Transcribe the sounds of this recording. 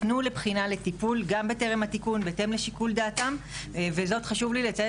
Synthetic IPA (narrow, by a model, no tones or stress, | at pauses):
tnule̞pχinale̞t̪ipulɡambete̞ʁemhat̪ikunbete̞mleʃikuld̪aːtamvezo̞tχaʃuvlilet͡sa